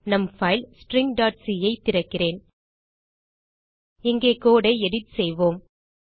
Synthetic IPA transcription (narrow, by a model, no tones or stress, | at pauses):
nɐmfɐɪlsʈɾɪŋɡ̚ɖaːʈ̚siːjɐɪt̪ːɪɾɐkːɪreːn | ɪŋɡeːkoːɽɐɪɛɽɪtsɛjʋoːm